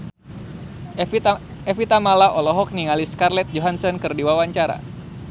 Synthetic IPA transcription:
ɛfit̪amalaʔɔlɔɦɔk̚niŋaliskarlɛt̪̚d͡ʒɔɦansɔnkɨrdiwawaɲt͡ʃaɾa̰

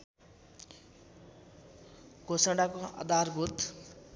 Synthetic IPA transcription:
ɡʱosaɽakoʌ̰d̪arbʱut̪

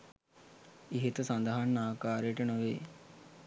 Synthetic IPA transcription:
iɦet̪əsand̪əɦanːaːkaːɾejʈənoʋeː

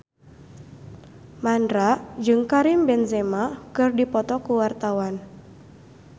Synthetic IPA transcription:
mandɾaʔd͡ʒɨŋkaɾimbɛnzemakɨrdipɔt̪ɔkuwart̪awan

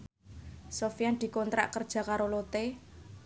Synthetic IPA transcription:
sofijand̪̥i̤kɔnt̪ɾa̰ʔkərd̥ʒ̥ä̤kaɾolot̪e

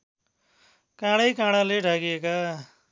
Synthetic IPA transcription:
kãɽʌjkãɽaleɖʱaɡieka

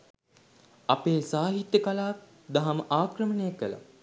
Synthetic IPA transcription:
apeːsaːɦit̪jəkalaːk̚ | d̪aɦaməʔaːkɾəmənejakːəla̰

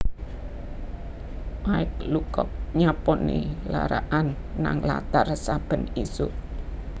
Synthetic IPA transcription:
maɪklukɔk̚ɲapɔnela̰ɾaʔanː | aŋla̰t̪arsab̥ə̤nisu

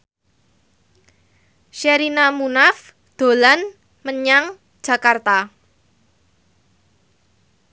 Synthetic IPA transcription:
ʃeɾinamunaf | d̪̥o̤lan | məɲaŋ | d̥ʒ̥ä̤kart̪a

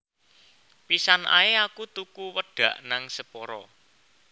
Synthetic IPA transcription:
pisanʔa̰eakut̪ukuwəɖ̥ä̤ʔnaŋsəpɔɾɔ

